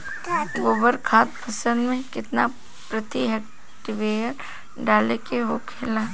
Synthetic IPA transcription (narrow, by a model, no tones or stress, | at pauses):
ɡoːbəɾkʰaːt̪pʰɐsənd̪mẽkɪt̪na | pɾət̪iɦɛk̚ | ʈɪʋeːjən | ɖaːlekeɦoːkʰeːlaː